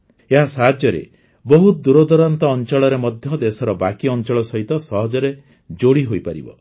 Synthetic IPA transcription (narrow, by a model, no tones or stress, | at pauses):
eɦasaɦad̪jɔɾḛ | bɔɦud̪uɾɔd̪ɔɾɔnt̪ɔːnt͡ʃɔɭɔɾemɔd̪ʱjɔd̪esɔɾɔbakiɔnt͡ʃɔɭɔsɔɦit̪ɔsɔɦɔd͡ʒɔɾe | d͡ʒoɽiɦojpaɾḭbɔ̰